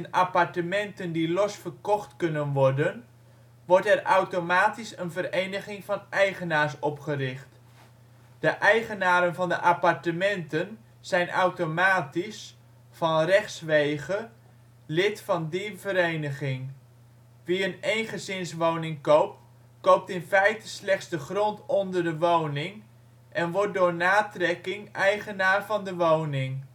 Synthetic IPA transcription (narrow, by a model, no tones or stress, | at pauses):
ənapɑɹtəmɛntəndilɔsfərkɔχtkɵnənʋɔɹdən | ʋɔɹtɛrawtomaːtisənvərejnəχɪŋvɑnɛjχənaːɹsɔpχərɪχt | d̥əʔɛjχənaːɾənvɑndəʔapɑɹtəmɛntən | z̥ɛjnʔawtomaːtis | fɑnrɛχsʋejχə | lɪtfɑndivəɾejnəχɪŋ | ʋiənejnχəzɪnsʋownɪŋkowp̚t | kowp̚tɪnfɛjtəslɛχdzdəχrɔntɔndərdəʋownɪŋ | ʔɛnʋɔt̚dʊːɹnaːtrɛkɪŋɛjχənaːrvɑndəʋownɪŋ